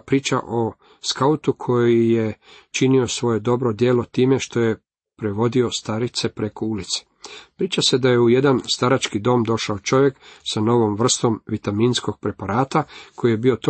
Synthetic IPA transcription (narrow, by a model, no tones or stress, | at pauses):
pɾiːt͡ʃa̰ʔo̞ | skaut̪ukʰo̞jije̞t͡ʃinio̞sʋo̞je̞d̪o̞bɾo̞d̪jeːlo̞t̪iːme̞ʃt̪o̞je | pɾe̞ʋo̞d̪io̞st̪aɾit̪se̞pɾe̞koulit̪se̥ | pɾiːt͡ʃase̞d̪aje̞uje̞d̪anst̪aɾat͡ʃkid̪o̞ːmd̪o̞ʃaot͡ʃo̞ʋje̞ksano̞ʋo̞mʋr̩st̪o̞mʋit̪aminsko̞ɡ̥̚pɾe̞paɾaːt̪akʰo̞jijebio̞t̪o